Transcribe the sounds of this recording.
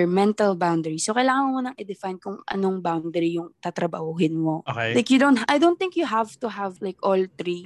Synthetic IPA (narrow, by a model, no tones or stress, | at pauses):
mɛnt̪ɐlbawnd̪ɛɹisokɐjlaːŋɐŋɐŋmunɐŋʔɛd̪ɪfajnkʊŋʔɐ̰noŋbawnd̪ɛɾijʊŋt̪at̪ɾɐba̰hʊɦɪnmooklajkjʊd̪õnt̪̚ʔajd̪ownt̪θɪ̃ŋkjʊɦavt̪ʊɦavlajkʔɔlt̪ɾi